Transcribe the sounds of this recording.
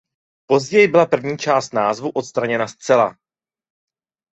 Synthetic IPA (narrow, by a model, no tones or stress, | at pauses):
po̞zɟɛjɪbɪlapr̩vɲiːt͡ʃaːst̪naːzvuʔo̞t̪st̪ɾaɲɛnast̪t͡sɛla̰